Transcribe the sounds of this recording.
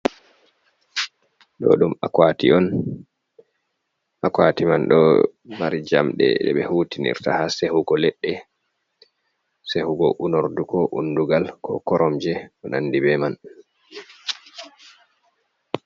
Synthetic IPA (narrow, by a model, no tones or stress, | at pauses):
ɗɔ̰ɗumakwatiɔn | ʔakwatimanɗɔ̰maɾid͡ʒamɗɛ̰ɗɛɓɛhutinḭɾtahasehuɡɔlɛɗːɛ | sehuɡɔ̰ʔunoɾdukɔʔunduɡalkɔkɔɾɔmd͡ʒɛɔnanːdibɛman